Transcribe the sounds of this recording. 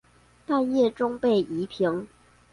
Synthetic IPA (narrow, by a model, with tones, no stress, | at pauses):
t̪a˥˧njɛ˥˩ʈ͡ʂʊ˥ŋpe˥˩ɪʔi˧˥pʰi˧˥ŋ